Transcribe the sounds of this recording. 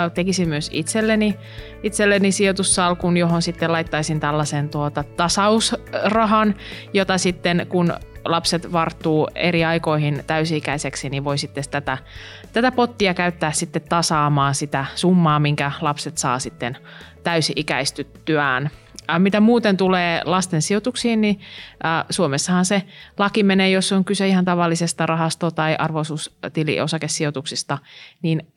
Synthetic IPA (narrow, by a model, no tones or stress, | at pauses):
t̪ekisimmyøsḭt̪selːeni | it̪selːenisiot̪usːɑlkunjoɦonsit̪ːelɑit̪ːɑisint̪ælːɑsent̪uot̪ɑt̪ɑsɑusrɑɦɑnjot̪ɑsit̪ːenkunlɑpset̪ʋɑrt̪ːuːeɾiɑikoihint̪æysiikæiseksiniʋoisit̪ːest̪æt̪æ | t̪æt̪æpot̪ːiɑkæyt̪ːæːssit̪ːet̪ːɑsɑːmɑːnsit̪æsumːɑːmiŋkælɑpset̪sɑ̰ːsit̪ːen | t̪æysiʔikæ̰ist̪yt̪ːyæːn | mit̪æmuːt̪ent̪uleːlɑst̪ensiot̪uksihːnni | suomesːɑhɑnselɑkimeneːjosːoŋkyseihɑnt̪ɑʋɑlːisest̪ɑrɑɦɑst̪ot̪ɑiʔɑrʋosuːst̪ilḭosɑkesːiot̪uksist̪ɑniːn